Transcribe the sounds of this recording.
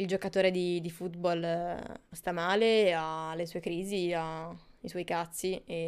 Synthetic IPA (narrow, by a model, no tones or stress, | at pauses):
ild͡ʒokat̪oːɾed̪id̪ifut̪bol | st̪amaːlealːesuːekɾiːziaiswɔjkat̪sːie